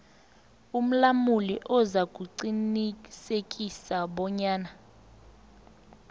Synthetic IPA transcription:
um̩lamuliʔɔzak̬ʼuǀinisekʼisaɓɔɲaːna

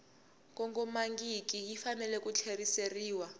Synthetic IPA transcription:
k̬ɔŋɡɔmaŋɡikijifanɛlɛk̬ʼut͡ɬʰeriseriːwa

